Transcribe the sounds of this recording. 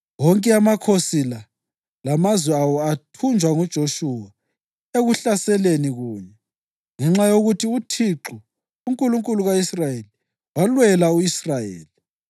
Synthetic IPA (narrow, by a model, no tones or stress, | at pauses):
wɔŋkʼɛamakʰosila | lamazwɛawɔatʰund͡ʒʱwaŋud̥ʒ̥ʱoʃuwa | eɣuɬasɛleniɣuːɲɛ | ŋɛŋ͡ǁajoɣutʰiutʰiǁu | uŋkʼuluŋkʼuluɣaisrajeli | walwɛlauisrajḛːli